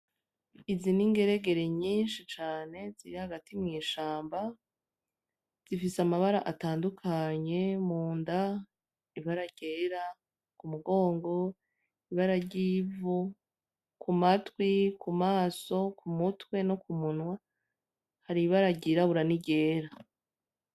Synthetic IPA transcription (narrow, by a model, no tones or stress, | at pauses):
iziniŋɡe̞ɾe̞ɡe̞ɾe̞ɲiːnʃit͡ʃaːne̞ziɾihaɡatimŋiːʃaːmba | z̥ifisamaβaɾaʔataːndukʰaɲe̞muːnda | iβaɾaɟ̥e̞ːɾa | kumuɡo̞ːŋɡo̞ | iβaɾaɾɟiːvu | kumatwikumaːso̞kʰumutwe̞no̞kumunwa | haɾiβaɾaɟiɾaβuɾaniɟe̞ːɾa